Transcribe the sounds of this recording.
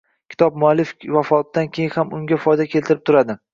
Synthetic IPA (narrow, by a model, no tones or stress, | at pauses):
kʲʰɪ̥t̪ʰɒp̚mʊalːɪfvafɒt̪d̪ankʲʰe̞jŋhamʊŋɡʲafɒjd̪akʲʰe̞lt̪ʰɪɾɪp̚t̪ʰʊɾad̪ɪ